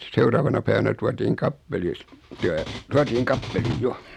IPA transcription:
seurɑːʋɑnɑ pæiʋænæ tuɑtiːŋ kɑpːelis tæː tuɑtiːŋ kɑpːeliːj jo

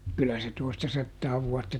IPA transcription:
kylæ se toistɑsɑtːɑː ʋuɑtːɑ

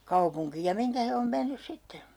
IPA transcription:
kɑupuŋkiːj jɑ miŋkæ he om menːys sitːe

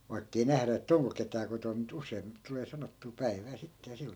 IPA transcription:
ʋɑikːei næhræ etːæ̆ oŋko ketæː kotom mut usˑein tuleː sɑnotːuː pæi̯ʋæː sitːe jɑ sil

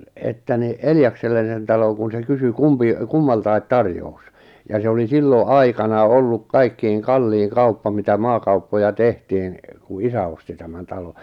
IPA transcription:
etːæ ni eljɑkselːen̞ sen tɑloŋ kun se kysy kumpi kumːɑltɑi̞t tɑrjous jɑ se oli silːo ʔɑikɑnɑː olːuk kɑikːiːŋ kɑlːiːŋ kɑupːɑ mitæ mɑːkɑupːojɑ tehtiːn ku isæ osti tæmæn tɑlo

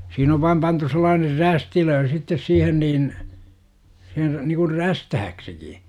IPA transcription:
siːn oʋ ʋɑim pɑntu selˑɑːner ræstiløː sitːes siːhen niːn se nikur ræstæhæksiki

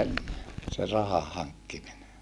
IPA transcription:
enːe se rɑhɑhɑŋkːimine

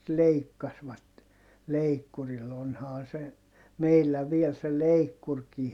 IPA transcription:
leikːɑsʋɑt leikːuril onhɑː se meilːæ ʋiel se leikːurkiː

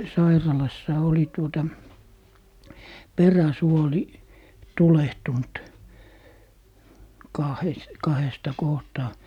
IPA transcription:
sɑirɑlɑsːɑ oli tuotɑ peræsuoli tulehtunt kɑhes kɑhestɑ kohtɑː

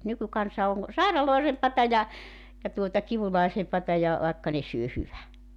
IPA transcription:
nykykɑnsɑ oŋ sɑˑirɑloˑesempɑtɑ jɑ jɑ tuotɑ kiʋulɑˑisempɑtɑ jɑ ʋɑˑekːɑ ne syø hyʋæ

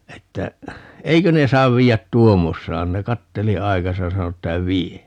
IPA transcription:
etːæ eikø ne sɑːʋ ʋiːjæt tuomːosːɑːn ne kɑtːeli ɑikɑsɑ jɑ sɑno etːæ ʋie

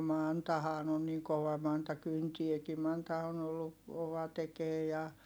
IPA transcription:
mɑntɑhɑːn on niŋ koʋɑ mɑntɑ kyntieki mɑntɑ on olːu koʋɑ tekeː jɑ

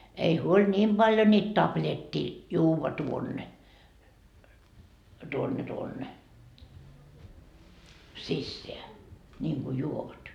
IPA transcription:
ei huolʲ niːm b̥ɑljo niːt tɑplʲetʲːiː juːʋɑ tuonːe tuonːe tuonːe sisːeæ nʲiːŋɡ̊u juoʋɑt

